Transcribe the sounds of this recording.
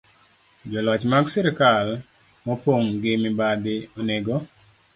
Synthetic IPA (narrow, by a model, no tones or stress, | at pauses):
d͡ʒɔlɔt͡ʃmaɡsiɾikal | mɔpoŋɡɪmɪbad̪ɪoneɡo